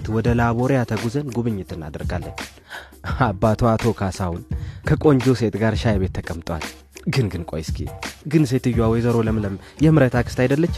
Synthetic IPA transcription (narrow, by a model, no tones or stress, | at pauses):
t̪wɔd̪əlaβoɾjat̪ʰəɡuzənɡuβɨɲːɪt̪ʰɨnːa̰d̪əɾɡalːə̰ɲ | abːat̪ʰoat̪ʰo̞kʰasawʊnkʰəkʼo̞ɲd͡ʒose̞t̪ʼɡaɾʃajbe̞t̪ʰːəkʼəmt̪ʼwa̰l | ɡɨnɡɨnkʼojɪskʰḛɡɨns̬e̞t̪ɨjːwawɔjzəɾo̞ləmɨləmjɛmɨɾət̪ʰakʰɨ̥st̪ajd̪əlːət͡ʃːɪ